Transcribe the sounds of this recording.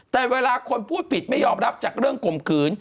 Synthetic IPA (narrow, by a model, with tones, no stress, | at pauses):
t̪ɛː˨˩weː˧laː˧kʰo˧npʰuː˥˩t̪̚pʰi˨˩t̪̚ma˥˩jɔː˧mɾa˦˥p̚t͡ɕaː˨˩k̚ɾɯ˥˩əŋko˨˩mkʰɯː˩˦n